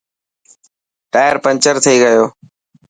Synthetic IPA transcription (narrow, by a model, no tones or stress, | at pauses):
ʈaːɪəɾpə̃nt͡ʃəɾt̪ʰiːɡəjoː